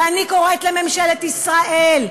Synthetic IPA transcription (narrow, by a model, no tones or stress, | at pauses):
aniko̞ʁet̪lememʃelet̪isʁaʔel